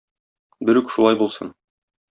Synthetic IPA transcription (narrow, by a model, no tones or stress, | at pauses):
bɘ̆ɾʉkʃulˠɑjbulˠsɤ̰n